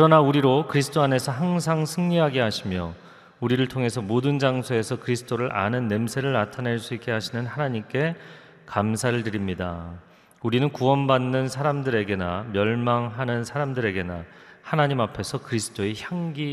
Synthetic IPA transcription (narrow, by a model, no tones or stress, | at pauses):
kɯɾʌnauɾiɾokɯɾisʰɯ̥t͈ʰoane̞sʰʌɦaŋsʰaŋsʰɯŋɲiɦaɡe̞ɦaɕʰimjʌ | uɾiɾɯɭtʰoŋe̞sʰʌmodɯnd͡ʑaŋsʰoe̞sʰʌkɯɾisʰɯ̥t͈oɾɯɾʔa̰nɯnːe̞msʰe̞ɾɯɭnatʰaneɭs͈uik͈e̞ɦaɕʰinɯnɦanaɲimk͈e̞ | kamsʰaɾɯɭtɯɾimɲida | uɾinɯnkuwʌnbanːɯnsʰaɾamdɯɾe̞ɡe̞na̰mjʌɭmaŋɦanɯnsʰaɾamdɯɾe̞ɡe̞na̰ | hanaɲimapʰe̞sʰʌkɯɾisʰɯ̥t͈oeçjaŋɡi